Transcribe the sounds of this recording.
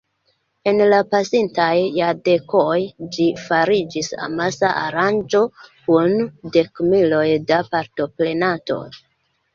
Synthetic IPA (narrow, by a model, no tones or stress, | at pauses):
e̞nlapasintajːade̞ko̞jd͡ʒifaɾid͡ʒisa̰masaʔaɾand͡ʒo̞kunde̞kmilo̞jdapaɾto̞ple̞nato̞̰